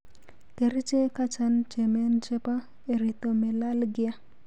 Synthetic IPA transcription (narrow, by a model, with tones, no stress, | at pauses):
ke˨ɾi˦t͡ʃe˦ka˦t͡ʃa˦nt͡ʃɛ˨mɛ˦nt͡ʃɛ˦pa˦ | e˨ɾi˨t̪o˨mɛ˨la˦lɡɪ˦a˦